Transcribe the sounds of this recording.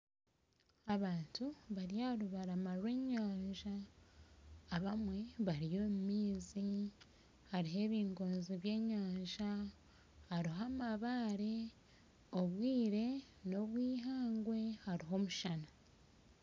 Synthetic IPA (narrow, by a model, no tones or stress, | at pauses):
aβaːntuβaɾijaɾuβaɾamaɾwe̞ːɲaːɲʒa | βamwe̞βaɾijo̞mumiːzi | haɾiɦe̞ːβiːŋɡo̞ːnziβje̞ːɲaːɲʒa | haɾiɦamaβaɾe | oβwiːɾe̞ | no̞βwiːɦaːŋɡwe̞haɾiɦo̞muʃana